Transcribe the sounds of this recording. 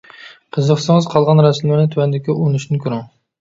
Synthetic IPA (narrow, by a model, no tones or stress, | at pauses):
qʰəzəqsŋəzqʰɑlˠʁɑnɾɛsmlɪɾnɪt̪ʰuwɛnd̪ɪkʲiʔonuʃnɪkʲʰyɾuŋ